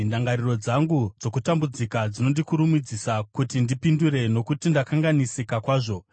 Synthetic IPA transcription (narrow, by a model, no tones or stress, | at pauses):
ndaŋɡaɾiro̞d͡zaŋɡud͡zo̞kutambud͡zikad͡zino̞ndikuɾumid͡zisakutindipinduɾe̞no̞kutindakaŋɡanisikakwaːʐo̞